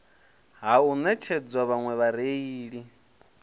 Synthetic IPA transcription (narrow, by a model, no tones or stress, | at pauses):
ɦaunɛt͡ʃʰɛd͡zwaβaŋwɛβaɾeiːɺi